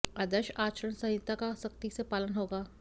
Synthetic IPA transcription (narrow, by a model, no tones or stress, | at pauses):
ɐd̪əʃaːt͡ʃəɾəɽnsɐ̃ɦɪt̪ːakasɐk̚t̪isepaːlənɦoːɡaː